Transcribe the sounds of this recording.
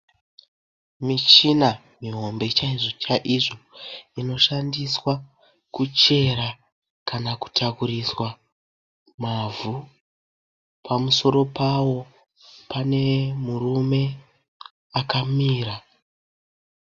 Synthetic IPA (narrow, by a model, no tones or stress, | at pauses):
mit͡ʃina | miɦo̞mbe̞t͡ʃaiʐit͡ʃaʔiʐo̞ino̞ʃandiswa | kut͡ʃe̞ɾa | kanaku̥tʰakuriswa | mavu | pʰamuso̞ɾo̞pawo̞ | pane̞murume̞ | akamiːra